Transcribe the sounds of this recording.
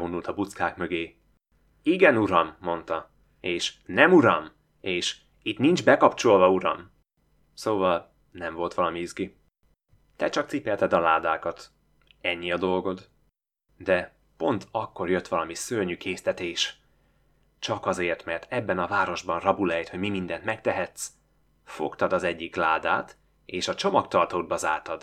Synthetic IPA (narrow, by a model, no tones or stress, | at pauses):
onult̪ɒbut̪skaːkmøɡeː | iɡɛnuɾɒmːo̞nt̪ɒ | eːʃnɛmuɾɒm | eːʃ | it̪nind͡ʒbɛkɒpt͡ʃo̞lvɒuɾɒ̰m | soːvɒl | nɛɱvo̞lt̪ʋɒlɒmiizɡi | t̪ɛt͡ʃɒk̚t̪sipɛlt̪ɛd̪ɒlaːd̪aːkɒt̪ | ɛɲːiɒd̪o̞lɡo̞d̪ | d̪ɛ | po̞nt̪ʰɒkːo̞rjø̞t̪ʋɒlɒmisølɲykʰeːst̪ɛt̪eːʃ | t͡ʃɒkɒzeːrt̪mɛrt̪ɛbːɛnɒvaːɾo̞ʒbɒnrɒbulɛjt̪ho̞ɟmimind̪ɛnt̪mɛk̚t̪ɛɦɛt̪s | fo̞̰kt̪ɒd̪ɒzɛɟːiklaːd̪a̰ːt̪ | eːʃɒt͡ʃomɒkt̪ɒrt̪oːd̪̚bɒzaːrt̪ɒd̪̥